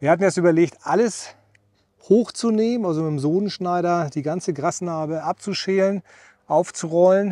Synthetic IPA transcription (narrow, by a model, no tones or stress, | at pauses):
viːɐhatn̩jɛstyːbɐleːçtʔaləs | hoːxt͡suneːmənʔalzomɪtmzoːnənʃnaɪɾɐdiːɡant͡səɡʁasnaːbəʔap̚t͡suʃeːlən | ʔaʊft͡suʁɔlən